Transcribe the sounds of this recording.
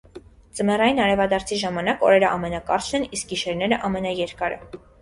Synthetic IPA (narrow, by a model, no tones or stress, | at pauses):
t͡səmɛrɑjinɑɾɛvɑd̪ɑɾt͡sʰiʒɑmɑnɑkɔ̰ɾɛɾəʔɑ̰mɛnɑkɑɾt͡ʃʰnɛnisk̚ɡiʃɛɾnɛɾəʔɑmɛnɑjɛɾkɑɾɛ̰